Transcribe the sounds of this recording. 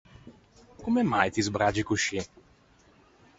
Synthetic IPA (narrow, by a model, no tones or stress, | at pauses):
kumɛmajt̪izbɾad͡ʒikuʃi